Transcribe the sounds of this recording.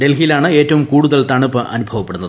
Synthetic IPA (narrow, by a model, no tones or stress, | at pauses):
ɖe̞lɦijilaːɳɨe̞ːtːɐʋumkuːɽuðɐlt̪ɐɳupːɨʔɐ̰nubʱɐʋɐpːeɽunːɐðɨ